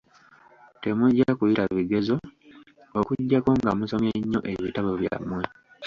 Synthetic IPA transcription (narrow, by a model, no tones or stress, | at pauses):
te̞muɟːakujiɾaβiɡe̞zo̞ | okuɟːako̞ŋɡamuso̞mjeɲːo̞ʔeβitaβo̞βja̰mːwe